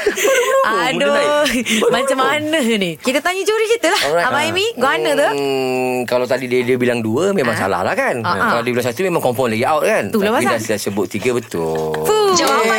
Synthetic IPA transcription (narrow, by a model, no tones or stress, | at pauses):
ado | mat͡ʃamanəɦnikit̪ət̪aɲət͡ʃoɾikit̪əlaɔaamaimiɡoanət̪ə | kalawt̪adidiədəbilaŋduəmẽmãŋsa̰la̰hlahkanakalawdəbilaŋs̬at̪umẽmãŋkɔmpanlaɡiawt̪̚kant̪ulabasiadasaʔsəbʊt̪̚ːiɡəbət̪ʊ̰lfuoa